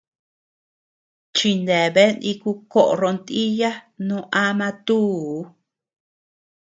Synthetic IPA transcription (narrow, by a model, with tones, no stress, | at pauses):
t͡ʃi˧nd̪e˨βe˦nĩ˧ku˧ko˦ʔɾo˧nt̪i˦ja˦nũ˦˧˦ʔa˦mã˧t̪uː˦˨˦